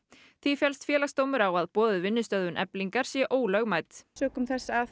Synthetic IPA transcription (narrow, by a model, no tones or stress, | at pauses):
θifjɛlst̪fjɛːlast̪oːwmʏɾawaðpɔːðʏvɪnːʏst̪œððʏnʔɛ̰pliŋkaɾ̥sjɛʔoːwlœɣmaːjt̪sœːkʏmθɛsːa